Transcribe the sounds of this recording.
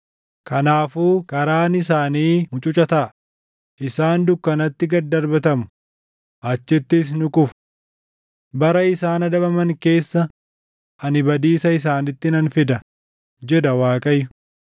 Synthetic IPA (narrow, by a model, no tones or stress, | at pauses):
kɐnaːfuːkʼɐɾaːnɪsaːniːmʊt͡ʃʼʊt͡ʃʼɐt̪ɐʔɐ | ʔɪsaːnd̪ʊkːɐnɐt̪ːɪɡɐd̪ɐɾbɐt̪ɐmʊ̥ | ʔɐt͡ʃːɪt̪ːɪs̬nʊkʼʊfʊ̥ | bɐɾɐɪsaːnɐd̪ɐbɐmɐŋke̞ːsːɐ | ʔɐnɪbɐd̪iːsɐɪs̬aːnɪt̪ːɪnɐnfɪd̪ɐ | d͡ʒɛd̪ɐwaːkʼɐjːʊ